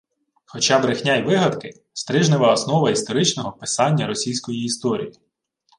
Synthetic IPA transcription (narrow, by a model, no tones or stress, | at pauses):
xɔt͡ʃɑbɾɪxnʲajʋɪɦɐd̪kɪ | st̪ɾɪʒnɪʋɐːsnɔʋɐist̪ɔɾɪt͡ʃnɔɦɔpɪsɑnʲːɐɾɔsʲijsʲkɔjiːst̪ɔɾʲḭji